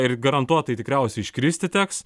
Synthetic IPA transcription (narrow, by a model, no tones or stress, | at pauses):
ɪrɡɐɾɐnt̪uɔt̪ɐɪt̪ʲɪkɾʲɛʊsʲɛɪɪʃʲkɾʲiːsʲt̪ʲɪt̪ʲɛks